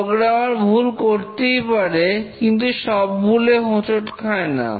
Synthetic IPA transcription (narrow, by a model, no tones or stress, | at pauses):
ɡɾawaɾbʱulkoɾt̪ejpaɾekint̪uʃɔb̚ːʱuleɦõt͡ʃoʈkʰaena̰